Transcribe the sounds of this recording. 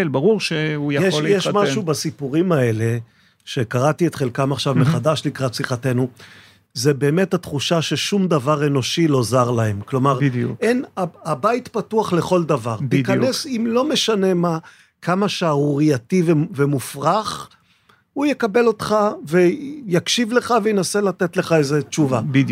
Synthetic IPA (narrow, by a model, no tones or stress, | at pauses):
lbaʁuʁʃeujajeʃjɛʃmaʃubasipuʁimae̞le | ʃe̞kaʁat̪iet̪χe̞lkamaχʃavmeχadaʃlikʁatsiχate̞nu | zebe̞ːmethatχuʃaʃe̞ʃumd̪avaʁe̞no̞ʃilo̞zaʁlaɦe̞mklo̞maʁʔenaabait̪patuaχle̞χo̞ld̪avaʁt̪ikane̞simlo̞me̞ʃane̞ma | kʰamaʃaʁuʁiat̪ivevemufʁaχ | ujekabe̞lo̞t̪χave̞jakʃivle̞χavejenaselat̪etle̞χaezet͡ʃuva